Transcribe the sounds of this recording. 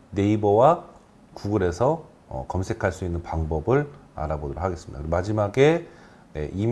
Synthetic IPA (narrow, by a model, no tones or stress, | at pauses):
ne̞ibʌwa | kuɡɯɾe̞sʰʌ | ʌ̰kʌmsʰe̞kʰaɭs͈uinːɯnpaŋbʌbɯɭa̰ɾabodɯɾo̰kʰaɡe̞sɯmidaɯɾɡmad͡ʑimaɡe̞ | ne̞̰ʔim